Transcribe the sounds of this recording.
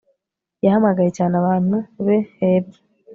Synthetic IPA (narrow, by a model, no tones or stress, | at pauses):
jahamaɡajecaːnaβaːnuβeeβi̥